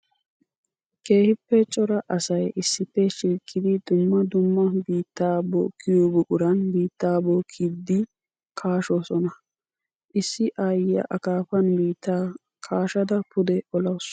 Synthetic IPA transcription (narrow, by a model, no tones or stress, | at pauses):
ke̞ːhɪpːɛt͡ʃʼɔɾɐʔɐsɐjɪsːɪpːɛʃiːkʼːɪd̪ɪd̪ʊmːɐd̪ʊmːɐbiːt̪ːaːbo̰ːkʰːɪjobʊkʼʊɾɐnbiːt̪ːaːboːkʰːid̪ːɪ | kʰaːʃoːsɔnɐ | ʔɪsːɪʔɐjɐ̰ʔɐkaːfɐnbiːt̪ːaː | kʰaːʃɐd̪ɐpʰʊd̪ɛɔlɐws